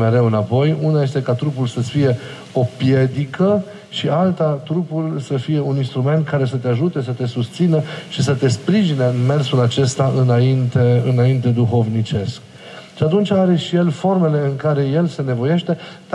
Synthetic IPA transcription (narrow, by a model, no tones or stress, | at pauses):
me̞ɾe̞wɨnapo̞junaje̞st̪e̞kat̪ɾup̬ulsəsfije̞ | o̞pje̞d̪ikə | ʃialt̪at̪ɾupulsəfije̞uninst̪ɾume̞nt̪̚kaɾe̞sət̪eaʒut̪e̞s̬ət̪e̞sust̪sinəʃis̬ət̪e̞spɾiʒineɨnme̞rsulat͡ʃe̞st̪aʔɨnaint̪eɨnaint̪e̞d̪uxo̞vnit͡ʃe̞sk | ʃiat̪unt͡ʃaɾe̞ʃije̞lfo̞rme̞le̞ɨŋkaɾe̞je̞lse̞ne̞vo̞je̞ʃt̪e̞̥